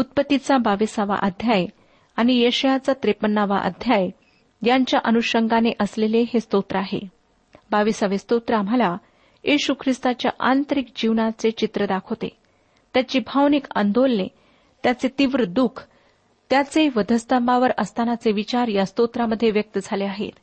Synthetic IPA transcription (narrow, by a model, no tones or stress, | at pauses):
ut̪̚pət̪ːit͡sabaʋisaʋa̰ʔəd̪ʱjaj | añijeɕjat͡sat̪ɾepənːaʋa̰ʔə̰d̪ʱjaj | jaɲt͡ɕjaʔənuɕəŋɡaneʔəsleleɦest̪ot̪ɾəaɦḛ | baʋisaʋest̪ot̪ɾəam̤ala | jiɕukʰɾist̪at͡ɕja̰ʔant̪əɾik̚d͡ʑiʋnat͡set͡ɕit̪ɾəd̪akʰot̪ḛ | t̪jat͡ɕiːbʱaʋnika̰nd̪olnḛ | t̪jat͡set̪iʋɾəd̪ukʰ | t̪jat͡seʋəd̪ʱəst̪əmbaʋəɾəst̪ʰanat͡seʋit͡ɕaɾjast̪ot̪ɾaməd̪ʱːjeʋjək̚t̪əd͡zʱaleaɦḛt̪